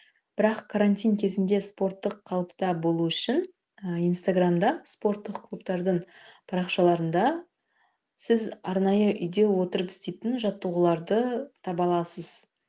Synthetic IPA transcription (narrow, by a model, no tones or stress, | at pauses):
b̥ɪɾɑqkʰaɾanʲt̪ʲijŋkʲʰe̞zɪnd̪e̞spo̞rt̪ːəqʰːɑlˠəpt̪ɑbo̞lˠuʏʃɪn | əijnst̪aɡramd̪ɑspo̞rt̪ːəqkʰlˠupt̪ɑɾd̪əɴpʰɑɾɑqʃɑlˠɑɾənd̪ɑ | sɪzɑɾnɑjəʔʏjd̪e̞wo̞t̪əɾəpɪst̪e̞jt̪ɪnʒɑt̪ːuʁəlˠɑɾd̪ət̪ʰɑbɑlˠɑsəz̥